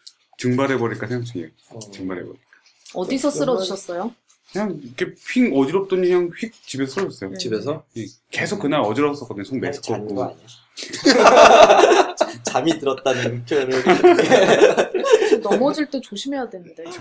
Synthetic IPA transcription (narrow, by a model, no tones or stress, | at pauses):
t͡ɕɯŋbaɾɦebʌɾik͈asʰaŋt͡ɕʰɯŋe | t͡ɕɯŋbaɾɦḛbʌɾikk͈a | ʌdisʰʌs͈ɯɾʌd͡ʑuɕʰʌs͈ʌjo | kɯɲaŋikʰe̞pʰiŋʌd͡ʑiɾʌp̚t͈oɲiɲaŋɸik̚t͡ɕibe̞sʰʌsʰɯɾʌs͈ʌjot͡ɕibesʰʌje | ke̞sʰok͈ːɯnaɾʌd͡ʑiɾʌs͈ʌk͈ʌdɯɲosʰoŋmesʰɯ̥k͈ʌɡu | t͡ɕamitɯɾʌt̚t͈anɯnmukʰjoɾɯ | nʌmʌd͡ʑiɭt͈e̞t͡ɕoɕʰime̞jadwenɯnde